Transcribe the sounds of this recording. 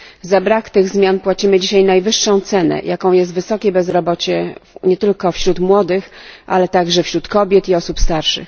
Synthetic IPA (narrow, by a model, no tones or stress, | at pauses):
zabɾakt̪ɘɣzmʲjanpwat͡ɕimɘd͡ʑiɕajnajvɘʂːɔ̃w̃t̪sɛnɛ̰jʔakɔ̃w̃jɛst̪vɘsɔkʲɛbɛzɾɔbɔt͡ɕɛɲɛt̪ɘlkɔfɕɾut̪mwɔd̪ɘxʔa̰lɛt̪aɡʐɛfɕɾut̪kɔbʲjɛt̪iɔsupst̪aɾʂɘ̰x